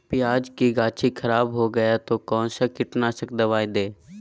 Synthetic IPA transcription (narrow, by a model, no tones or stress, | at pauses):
pɪjaːd͡ʒkiɡaːt͡ʃʰikʰəɾaːbɦoɡɐjat̪okɔːnsakɪʈnasəkd̪əʋaːĩd̪eː